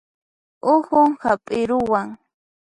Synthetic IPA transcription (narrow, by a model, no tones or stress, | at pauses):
ʊhʊŋhapʼɪɾʊwaŋ